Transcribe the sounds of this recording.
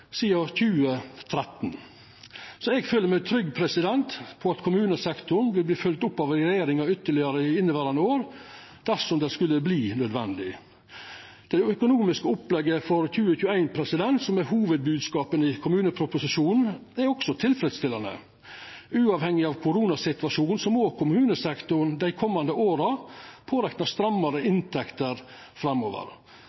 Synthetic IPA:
siːɑçʉːət̪ʰɾɛt̪n | sɔɛɡføːləɾmɛɪt̪ʰɾʏɡpʰɾɛsɪd̪ɛnt̪pʰɔɑt̪kʰʊmʉːnəsɛkt̪ʊɳʋɪlbliːfœlt̪ʊpːɑʋɾɛjeːɾɪŋɑʏt̪ːəɭɪɑɾəɪɪnːəʋæɾɑnəoːɾ | d̪̥æʂɔmd̪ɛskʉlːəbliːnœd̪ʋɛ̰nd̪ɪ̰ | d̪̥ɛœkʊnuːmɪskəʊplɛɡːəfɔɾçʉːəçʉːæɪnpʰɾɛsɪd̪ɛnt̪sɔmɛɦuːʋəd̪̚bʉːd̪skɑːpənɪkʰʊmʉːnəpʰɾʊpʊsɪʂuːnn̩æɾɔksɔt̪ʰɪlfɾɛd̪st̪ɪlːɑnə̰ | ʉːɑːʋhɛŋːɪɑːʋkʰʊɾuːnɑsɪt̪ʋɑʂuːnsɔmoːkʰʊmʉːnəsɛkt̪ʊɾɳd̪æɪkʰɔmːɑnd̪əʔoːɾɑpʰoːɾɛk̪nɑst̪ɾɑmːɑɾəʔɪnt̪ʰɛkt̪əɾ | fɾɑmːo̰ːʋə̰ɾ

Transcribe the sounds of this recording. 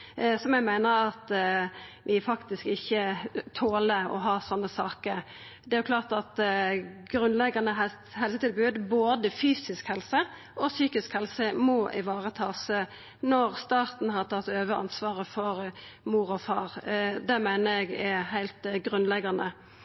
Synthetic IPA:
sɔmjæɡmæɪnəɾɑt̪ | ʋɪfɑkt̪ɪskɪçːət̪ʰoːləɔ̰ɦɑːsɔnːəsɑːkəɾ | d̪ɛæɾjʊkʰlɑːʁt̪ɑt̪ɡɾʉnlɛɡɑnəɦɛ | hɛlsət̪ɪlbʉːd̪boːd̪əfyːsɪskhɛlsə | ʔɔsyːkɪskhɛlsəmɔʔɪʋɑːʁət̪ʰɑːsə | nɔʁst̪ɑːʁt̪n̩hɑt̪ʰɑt̪ːøːʋəʔɑ̰nsʋɑːʁəfɔɾmuːɾɔfɑːʁd̪ɛmæɪnəɾɛɡæɛhæɪlt̪ɡɾʉnlɛɡɑnə

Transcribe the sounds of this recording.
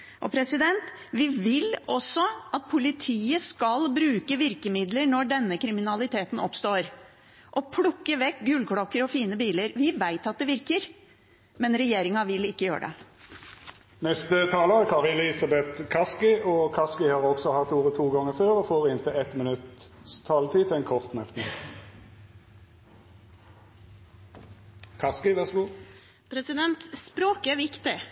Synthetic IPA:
ʔɔpʰɾɛsɪd̪ɛnt̪ | ʋɪʋɪlɔsːɔʔɑt̪̚pʰʊlɪt̪ʰiːəskɑlbɾʉːkəʋɪɾkəmɪd̪ləɳɔɖɛnːəkʰɾɪmɪnɑlɪt̪ʰeːt̪n̩ɔpst̪oːɾ | ʔɔpʰlʊkːəʋɛkɡʉlkʰɽɔkːəɾɔfiːnəbiːləɾʋɪʋæɪt̪ɑt̪̚d̪ɛʋɪɾkəɾ | mɛnɾɛjeːɾɪŋɑʋɪlɪkːəjø̰ːɾə̰ɖɛ̰ | nɛst̪ət̪ʰɑːləʁəkʰɑʁɪləɪsɑbɛt̪kʰɑskɪɔkʰɑskɪhɑːʁɔɡsɔhɑt̪uːʁət̪ʰuːɡɔŋːəføːʁɔfoːʁɪnt̪ʰɪɛt̪mənʉt̪st̪ʰɑːlət̪ʰiːt̪ʰɪɛɪnkʰɔʁt̪mœt̪nɪŋ | kʰɑskɪʋæʁsɡuː | pʰɾɛsɪd̪ɛnt̪spɾoːkəʋɪkt̪ɪ

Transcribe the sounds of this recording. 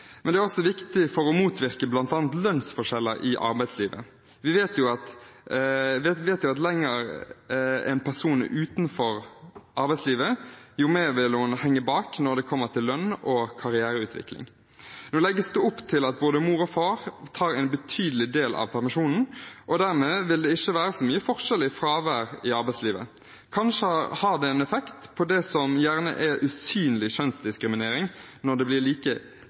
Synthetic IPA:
mɛnd̪ɛæɾɔsɔʋɪkt̪ɪfɔɾɔmuːt̪ʰʋɪɾkəblɑnt̪ɑːnt̪lœnsfɔʂɛlːəɾʔɪʔɑ̰ɾbæɪsliːʋə̰ | ʋɪʋeːt̪jʊɑt̪ | ʋeːt̪jʊɑt̪lɛŋːəɾ | ɛ̰ɪnpʰæʁsuːnʉːt̪nfɔɾʔɑɾbæɪsliːʋəjʊmeːʋɪlhʊnhɛŋːəbɑːknɔd̪ɛkʰɔmːəɾt̪ʰɪlːœnɔkʰɑɾɪæːɾəʉːt̪ʰʋɪ̰klɪ̰ŋ | noːlɛɡːəsd̪ʉʊpːt̪ʰɪlɑt̪̚boːd̪əmuːɾɔfɑːʁt̪ʰɑːɾæɪnbət̪ʰyːd̪əlɪd̪eːlʔɑ̰ʋpʰæʁmɪʃuːnn̩ʔɔd̪æːʁmeːʋɪld̪ɛɪʃːəʋæːɾəsɔmyːəfɔʁʂɛlɪfɾɑːʋæːʁɪɑɾbæɪsliːʋə̰ | kʰɑnʃəhɑʁd̪ɛɛnɛfɛkt̪pʰɔd̪ɛsɔmjæːʁnə̰ʔɛʔʉsyːnəlɪʃœnsd̪ɪskɾɪmɪneːɾɪŋ | nɔd̪ɛblɪʁliːkə

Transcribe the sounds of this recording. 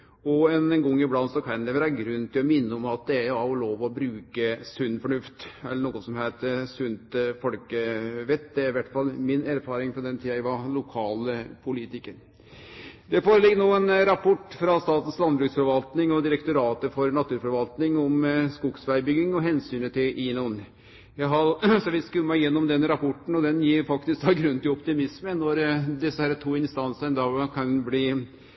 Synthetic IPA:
ɔɛnɡɔŋːɪblɑnsɔkʰæɪnlɛʋəɾæɾɡɾʉnːt̪ʰɪlɔmɪnːəɔmɑt̪̚d̪ɛæɑɾjʊloːʋɔbɾʉːkəsʉnːfɔɳʉft̪ɛlːəɳuːɡɔnsɔmhæɪt̪əsʉnt̪fɔlkəʋɛt̪ːd̪ɛæɾɪʋæʈːfɑlːmɪnæːɾfɑːɾɪŋfɾɔd̪ɛnt̪ʰiːɑɛʋɑlʊkʰɑːlpʰʊlit̪ɪkəɾ | d̪ɛfoːɾəlɪɡːənoːɛnɾɑpʰɔʈːfɾɑst̪ɑːt̪n̩slɑnbɾʉːksfɔɾʋɑlt̪nɪŋɔd̪ɪɾɛkt̪ʊɾɑːt̪əfɔɾnɑt̪ʰʉːɾfɔɾʋɑlt̪nɪŋɔmskʊɡsʋæɪbʏɡɪŋɔɦɛnsyːnət̪ʰɪlʔiːnʊn | jæɪɦɑsɔʋɪskʉːəmæɪjɛnːɔmd̪ɛnɾɑpʰɔʈːɳ̩ɔd̪ɛnjiːɾfɑkt̪ɪsk̪ɑɡɾʉnt̪ɪlɔpt̪ɪmɪsmənɔɾd̪ɛsːəhæːɾət̪ʰuːɪnst̪ɑnsənd̪ɑkʰɑnbliː

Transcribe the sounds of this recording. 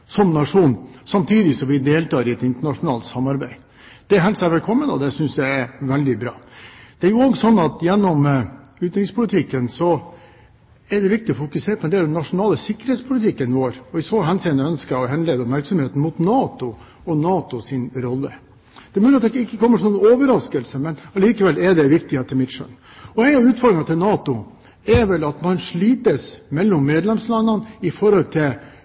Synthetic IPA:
sɔmnɑʂuːnsɑmt̪ʰiːd̪ɪsɔmʋɪd̪eːlt̪ɑːɾɪɛt̪ɪnt̪əɳɑʂʊnɑ̰ːlt̪sɑmːɑɾbæɪ | d̪̥ɛæɾɦɛlt̪sæʋɛlkʰɔmːənɔ̰d̪ɛsʏnsjæɪæɾʋɛld̪ɪbɾɑ̰ːd̪̥ɛæɾjʊoɡsɔnːɑt̪jɛnːɔmʉːt̪ɾɪŋspʰʊlɪt̪ʰɪkːənsɔ | ɛɖɛʋɪk̚t̪ɪɔfʊkʉseːɾpɔɛnd̪eːld̪ɛnːɑʂʊnɑːləsɪkːəɾhet̪spʰʊlɪt̪ʰɪkːənʋoːɾɔɪsʋoːɦɛnsiənəœnskəɔɦɛnleːd̪ɔpmæɾksɔmheːt̪n̩mʊt̪nɑːt̪ʊ | ɔnɑːt̪ʊsɪnɾɔlːə | d̪̥ɛɾmʉːlɪɑt̪d̪ɛɪkːəkʰɔmːəʈɪnuːnoːʋəɾɑskəlsəmɛnɑliːkəʋɛlːɛɖɛʋɪkt̪ɪheːt̪ːəmɪt̪ʂœ̰n | ɔæɪɑʋʉːt̪fɔɾɾɪŋɑt̪ʰɪlnɑːt̪ʊ | ɛɾʋɛlɑt̪mɑnʂɭiːt̪əsmɛlːɔmːeːd̪lɛmslɑnːɑnɪfɔɾhɔlt̪ʰɪl

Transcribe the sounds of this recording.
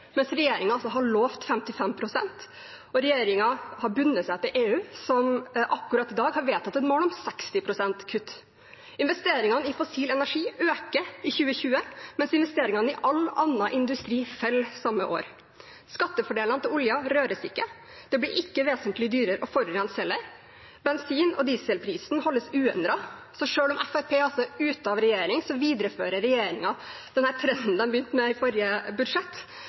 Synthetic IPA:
mɛnsɾɛjeːɾɪŋɑɑlsɔɦɑɭoːft̪fɛmt̪ɪfɛmpʰɾʊsɛnt̪ | ɔɾɛjeːɾɪŋɑhɑɾbʉnːət̪sæɪt̪ɪlʔeːʉːsɔmʔɑkːʉɾɑt̪ːɪd̪ɑːɡhɑɾʋeːt̪ʰɑt̪ːɛnmoːlʊmsɛkst̪ɪpʰɾʊsɛnt̪kʰʉt̪ː | ɪnʋɛst̪eːɾɪŋɑnəɪfɔsiːlɛnæʂiːøːkəɪçʉːəçʉːəmɛnsɪnʋɛst̪eːɾɪŋɑnəɪʔɑlːɑnːɑʔɪnd̪ʉst̪ɾiːfɛlsɑmːəʔo̰ːɾ | skɑt̪ːəfɔɖeːlɑnət̪ɪlʊljɑɾøːɾəsɪkːə | d̪̥ɛbliɾʔɪkːəʋeːsənt̪lɪd̪yːɾəɾʔɔfɔɾɾɛnsɛləɾ | bɛnsiːnɔ̰d̪iːsəlpʰɾiːsn̩hɔlːəsʉːɛnd̪ɾɑsɔʂøːɭʊmʔɛfæɾpʰeːɑlsɔʉːt̪ɑʋɾɛjeːɾɪŋsɔʋiːd̪ɾəføːɾəɾɛjeːɾɪŋɑd̪̥ɛnhæːɾt̪ʰɾɛnd̪n̩d̪ɛnmbəjʏnt̪mɛɪfɔɾjəbʉd̪ʂɛt̪ː

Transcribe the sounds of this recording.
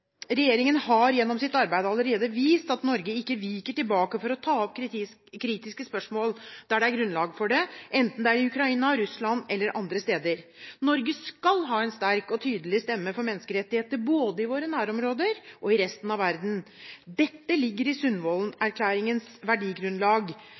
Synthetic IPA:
ɾɛjeːɾɪŋənhɑɾjɛnːɔmsɪt̪ːɑɾbæɪd̪əɑlːəɾeːd̪əʋiːst̪ɑt̪nɔɾɡəɪkːəʋiːkəʈɪlbɑːkəfɔɾɔt̪ʰɑːɔpkʰ | kʰːɾiːt̪ɪskəspœʂmoːld̪̥æɖɛæɾɡɾʉnlɑːɡfɔɖɛʔɛnt̪n̩d̪ɛæɾɪʉkɾɑiːnɑɾʉslɑnɛlːəɾʔɑnd̪ɾəst̪eːd̪əɾnɔɾɡəskɑlɦɑːɛnst̪æɾkɔt̪ʰyːd̪əlɪst̪ɛmːəfɔɾmɛnːəskəɾɛt̪ːɪheːt̪əɾboːd̪əɪʋoːɾənæːɾɔmɾoːd̪əɾʔɔɪɾɛst̪nɑʋʋæɾd̪n̩ | d̪ɛt̪ːəlɪɡːəɾɪsʉnːʋɔːlnæɾkʰlæːɾɪŋənsʋæɖiːɡɾʉnlɑːɡ

